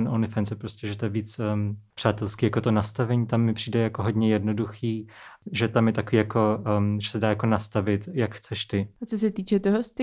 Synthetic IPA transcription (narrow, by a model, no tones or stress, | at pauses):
nʔonɪfɛnt͡sɛpɾoscɛʒɛt̪ojɛviːt͡spr̝̥aːt̪ɛlskiːjakot̪o̞nast̪avɛɲiːt̪amːɪpr̝̥iːdɛjakoɦo̞dɲɛjɛdnoduxiːʒɛt̪amjɛt̪akoiːjako̞ʒɛsɛdaːjako̞nast̪avɪt̪jakxt͡sɛʃt̪ɪat͡sos̬ɛt̪iːt͡ʃɛt̪oɦost̪ɪ